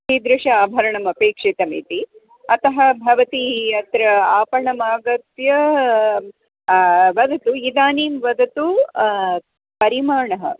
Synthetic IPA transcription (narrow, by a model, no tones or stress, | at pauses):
id̪ɾuʂɐaːbʱɐɾɐɳɐmɐpeːkʂit̪ɐmḭːt̪i | ɐt̪ɐɦɐbʱɐʋɐt̪ijɐt̪ɾɐaːpɐɳɐmaːɡɐt̪jɐ | ʋɐd̪ɐt̪uid̪aːniːmʋɐd̪ɐt̪u | pɐɾimaːɳɐɦɐ̰